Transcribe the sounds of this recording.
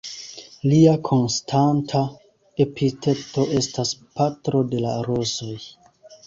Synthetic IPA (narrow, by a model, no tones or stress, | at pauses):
liakʰo̞nstʰantʰa | e̞pitʰe̞to̞ʔe̞staspatɾo̞de̞la̰ɾoso̞j